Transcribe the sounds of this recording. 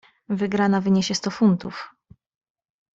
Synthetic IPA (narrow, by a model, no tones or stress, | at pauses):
vɘɡɾanavɘɲeɕɛst̪ɔfunt̪uf